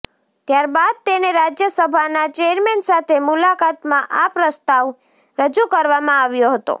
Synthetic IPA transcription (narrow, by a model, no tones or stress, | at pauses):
t̪jaɾbad̪̚t̪eneɾad͡ʒjəsəbʱanat͡ʃeəɾmɛnsat̪ʰemʊlakat̪mãʔapɾəst̪aʋ | ɾəd͡ʒukəɾʋamãaʋjoɦət̪o̰